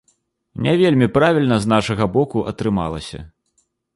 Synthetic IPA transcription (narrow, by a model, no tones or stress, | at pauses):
nʲɛvʲelʲmʲipɾavʲilʲnɐznaʂɐɣɐbɔkuʔɐt̪ɾɨma̰lˠɐ̰sʲɐ̰